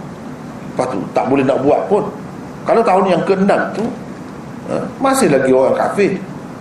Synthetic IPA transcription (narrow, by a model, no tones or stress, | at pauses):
pat̪ṵt̪aʔbolɛhnaʔbuat̪̚pʊn | kalot̪aɦʊnjaŋkəəndaŋt̪u | ʔə̰masɪhlaɡioɣaŋka̰fɪh